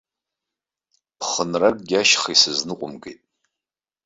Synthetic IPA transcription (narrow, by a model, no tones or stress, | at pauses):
pʰχənrakʼɡʲaʃχisɨznɨqʷʼʊmɡejtʼ